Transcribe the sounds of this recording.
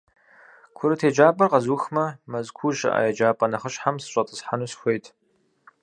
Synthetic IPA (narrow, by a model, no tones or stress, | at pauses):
kʷʰʊɾɨtʰeːd͡ʒaːpʼɐrqɐzuːxmɐmɐzkʷʰuʒɐ̰ʔa̰ːjɐd͡ʒaːpʼɐnɐχəɕħamsɨɕʷʼɐtʼəsħanuːsxʷejtʰʼ